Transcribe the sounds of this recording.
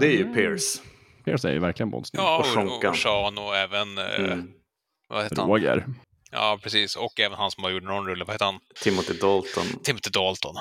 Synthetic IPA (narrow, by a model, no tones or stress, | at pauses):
d̪ɛæɾjɵpʰeːɾs | pʰeːɾsæ̰ɾj̰væɾklɪɡənbɔ̰nsnɪɑːɧɔŋkːaʂɑːnʊɛːvən | va̰heːtɾəaoːɡə̰ɾ | jɑ̰ːpʰɾɛsiːsɔkɛːvənhansɔmhaɾjuːʈːənɔnɾɵlːəvaheːt̪ːəhant̪ʰɪmːʊt̪ɪd̪ɔlt̪ɔnt̪ʰɪmːɔt̪ɪd̪ɔlt̪ɔn